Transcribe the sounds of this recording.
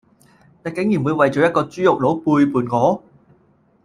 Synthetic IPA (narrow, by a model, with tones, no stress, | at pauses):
t̪aː˨˩ke˨˥ŋjiː˨˩wuː˨˧jwɐ˨jt͡ɕɔː˨˥jɐ˥t̚kɔː˧t͡syː˥jʊ˨k̚lo˨˥wpuː˧jpuː˨˩nŋɔː˨˥